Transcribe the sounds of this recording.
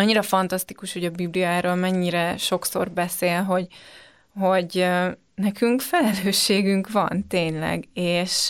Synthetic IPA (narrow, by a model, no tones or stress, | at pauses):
ɒɲːiɾɒfɒnt̪ɒst̪ikuʃhoɟɒbiblijaːɾoːlmɛɲːiɾɛʃo̞kso̞̰rbɛseːlɦo̞ɟ | ɦo̞ɟ | nɛkyŋkfɛlɛløːʃːeːɡyŋkʋɒ̰nt̪eːɲlɛ̰ɡeːʃ